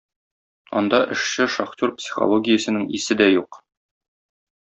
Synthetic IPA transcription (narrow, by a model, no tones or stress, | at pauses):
ɒ̰nd̪ɑʔɘ̆ʃɕɘʃɒχtʲoɾpsʲi̥χo̰lˠoɡʲɪjəsɘ̆nɘŋisɘd̪æjuq